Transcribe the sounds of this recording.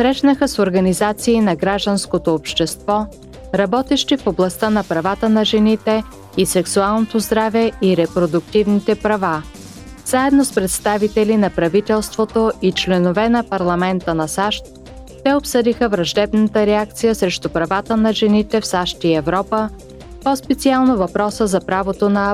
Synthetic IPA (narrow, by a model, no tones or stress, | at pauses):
sɾɛʃnəxəsoɾɡɐnizat̪siːnɐɡɾaʒd̪ənskot̪oːpʃt̪ɛst̪vɔ | ɾɐbɔt̪ɛʃt̪ifoblˠɐst̪anɐpɾɐvat̪ənɐʒɛnit̪ɛ | isɛksualˠnot̪ozd̪ɾavɛiɾɛpɾod̪ʊk̚t̪ivnit̪ɛpɾɐva | zaɛd̪nospɾɛt̪st̪avit̪ɛlinɐpɾɐvit̪ɛlˠst̪vot̪oit͡ʃlɛnovɛnɐpɐɾlˠɐmɛnt̪ənɐsaʃt̪̚ | t̪ɛopsɤd̪ixəvɾɐʒd̪ɛbnət̪əɾɛak̚t̪sijəsɾɛʃt̪upɾɐvat̪ənɐʒɛnit̪ɛfsaʃt̪iɛvɾɔpə | pɔspɛt̪sialˠnovɐpɾɔsəzɐpɾavot̪onɐ